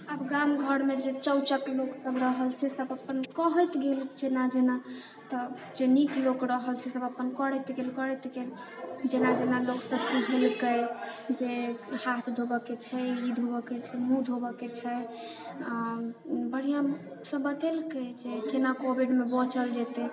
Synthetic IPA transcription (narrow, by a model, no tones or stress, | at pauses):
əbɡamɡʱəɽmed͡ʒet͡ʃəwt͡ʃəkloksəbɾəɦəlsesəbəpənkəɦəjt̪ɡeld͡ʒenad͡ʒena | t̪ə | d͡ʒeniklokɾəɦəlsesəbəpənkəɽɛt̪ɡelkəɾɛt̪ɡel | d͡ʒenad͡ʒenaloksəbsud͡ʒʱelkəjd͡ʒehat̪ʰd̪ʱobəket͡ʃʰɛid̪ʱɦobəket͡ʃʰɛmũd̪ʱobəket͡ʃʰɛ | a | bəɽ̤ija | səbət̪elkəd͡ʒekenakobiɖmebɔ̃t͡ʃəld͡ʒɛt̪e